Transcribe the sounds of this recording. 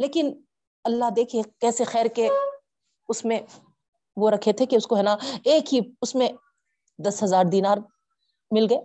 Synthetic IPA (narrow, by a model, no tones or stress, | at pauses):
leːkɪn | ɐlːaɦd̪eːkʰiekɛːsexɛːɾke | ʊsmẽ | ʋoɾɐkʰet̪ʰekeʊskoɦɛːnaeːkɦiʊsmẽ | d̪ɐsɦɐzaːɾd̪iːnaːɾ | mɪlɡɐeː